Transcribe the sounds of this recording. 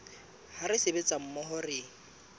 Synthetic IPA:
haɾɪsɪbet͡sʼam̩mɔɦɔrɪːŋ̩

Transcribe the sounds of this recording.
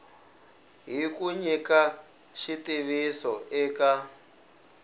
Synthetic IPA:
ɦikuɲika | ʃitiβisɔ̰ʔɛka

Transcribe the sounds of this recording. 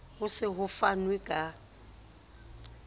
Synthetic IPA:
hʊsɪɦʊfanwekʼa

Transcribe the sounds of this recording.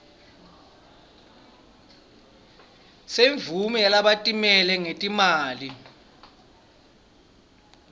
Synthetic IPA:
seɱvʱumiɛlaɓatʼimɛlɛŋetʼimaːli

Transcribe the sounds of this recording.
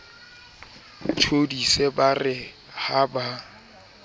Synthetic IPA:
t͡ʃʰodisɛbarɪ | haba

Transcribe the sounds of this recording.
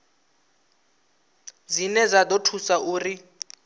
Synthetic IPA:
d͡zinɛd͡zad̪otʰusaʔuːri

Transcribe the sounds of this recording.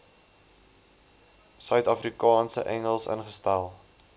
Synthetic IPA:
sœɥtɐfrikɑːnsə̰ʔɛŋəlˠsə̰nχəstælˠ

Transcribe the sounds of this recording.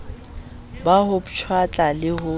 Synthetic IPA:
baɦʊbʊt͡ʃʰwat͡ɬʼalɪhʊ

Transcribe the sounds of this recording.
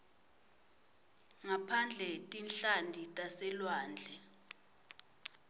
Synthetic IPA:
ŋapʰand͡ɮʱɛtʼinɬandʱitʼasɛlwaːnd͡ɮʱɛ

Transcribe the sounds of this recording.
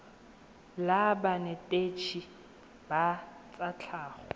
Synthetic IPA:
labanɛtʼet͡ʃʰi | bat͡sʼat͡ɬʰaːχɔ

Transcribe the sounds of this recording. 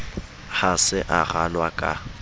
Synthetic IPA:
hasɪʔaɣalwakʼa̰

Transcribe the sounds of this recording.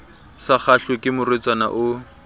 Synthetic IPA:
sak͡xʰaɬekʼɪmʊret͡sʼwana̰ʔʊ

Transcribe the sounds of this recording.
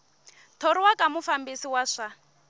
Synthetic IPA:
tʰoɾiwakʼamufambisiwaʂa

